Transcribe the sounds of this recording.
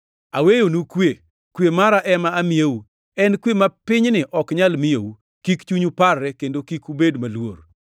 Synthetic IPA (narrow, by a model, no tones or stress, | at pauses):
awejonukwe | kwemaɾaʔɛmaːmɪjewu | ɛnkwemapɪɲnɪʔɔkɲalmɪjowu | kikt͡ʃuɲuparːɛkendokikubedmalwoɾ